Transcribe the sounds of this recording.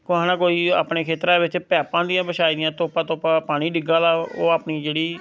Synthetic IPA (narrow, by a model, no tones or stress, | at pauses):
kʊãːnãːkoːiːa̰ːpneːkʰeːt̪ɾãːʋɪt͡ʃpɛːpãːd̪ɪjãːbəʃaːiːd̪ɪjãːt̪oːpãːt̪oːpãːpaːɽ̃iːɖɪɡaːlaːoːaːpniːd͡ʒeːɽiː